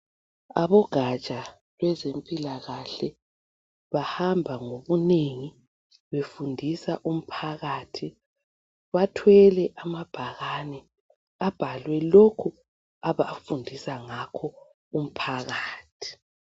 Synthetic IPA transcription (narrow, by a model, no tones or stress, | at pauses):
aβɔɡ̥ʱat͡ʃʼa | lwɛzempʼilaɣaɬɛ | βahambʱaŋoβuneŋi | βefundʱisaʔum̩pʰaɣaːtʰi | βatʰwɛlɛʔamab̥ʱaɣanɛ | ab̥ʱalwɛlokʰu | aβaːfundʱisaŋakʰɔ | um̩pʰaɣaːtʰi̥